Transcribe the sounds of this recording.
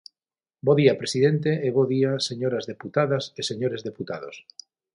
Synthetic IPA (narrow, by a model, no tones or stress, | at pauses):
boðiapɾesiðent̪eːβoðiaseɲoɾazðeput̪aðaseseɲoɾezðeput̪að̞os